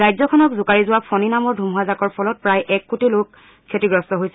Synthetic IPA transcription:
zajzɔkʰɔnɔkzʊkaɹizʊwapʰɔninamɔɹdʱumɦazakɔɹpʰɔlɔt̚pɹajʔɛkːutilok | kʰːetiɡɹɔstɔɦojsɛ

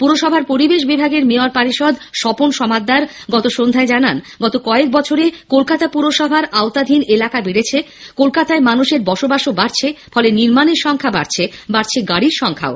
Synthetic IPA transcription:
puɾoʃɔbʱaɾpoɾibeʃ̬bibʱaɡeɾmeoaɾpaɾiʃɔd̪ʱʃɔponʃɔmad̪ːaɾɡɔt̪oʃond̪ʱaed͡ʑananɡɔt̪okɔek̚bɔt͡ɕʰoɾekolkat̪apuɾoʃɔbʱaɾaot̪ad̪ʱinelakabiɽet͡ɕʰe | kolkat̪aemanuʃeɾbɔʃobaʃobaɾt͡ɕʰefʰɔleniɾmaneɾʃɔŋkʰabaɾt͡ɕʰebaɾt͡ɕʰeɡaɽiɾʃɔŋkʰa̰o

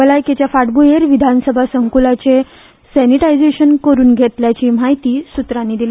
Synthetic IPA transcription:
əlajket͡ɕjafaɽbueɾʋid̪ʱansəbʱasəŋkulat͡ɕe | sɛniʈajd͡zeɕənkəɾuːnɡʱet̪ljat͡ɕiːm̤aɦjt̪iːsut̪ɾanːiːd̪ile

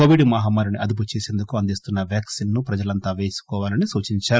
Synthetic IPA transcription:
oːʋiɖmɐɦaːmːaːɾuniʔɐd̪up̬ut͡ʃe̞ːseːnd̪ukuɐnd̪ist̪unːɐʋjaːksinːupɾɐd͡ʒɐlɐnt̪aːʋe̞ːsu̥kɔːʋaːlɐnisuːt͡ʃiɲt͡ʃaːɾu

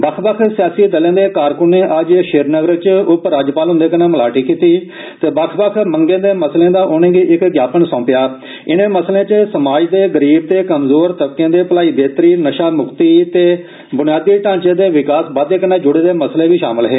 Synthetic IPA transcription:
bəkʰbəkʰsɪjaːsiːd̪əlãːd̪eːkaːɾkʊnːẽːʔəd͡ʒʃeːɾnəɡəɾət͡ʃʊpɾaːd͡ʒpaːlɦʊ̃nd̪eːkənẽːməlaːʈiːkiːt̪iː | t̪eːbəkʰbəkʰməŋɡẽːd̪eːməslẽːd̪aːʔʊnẽːɡiːɪkɡjaːpənsɔ̃ːpɪjaː | ɪnẽːməslẽːt͡ʃsəmaːd͡ʒd̪eːɡəɾiːb̚t̪eːkəmzoːɾt̪əbkjãːd̪eːpəlaːiːd̪eːt̪ɾiːnəʃaːmʊkt̪iːt̪eː | bʊnɪjaːd̪iːʈãːɲt͡ʃẽːd̪eːʋɪkaːsbaːd̪eːkənẽːd͡ʒʊɽeːd̪eːməsleːʋiːʃa̰ːməlɦɛː

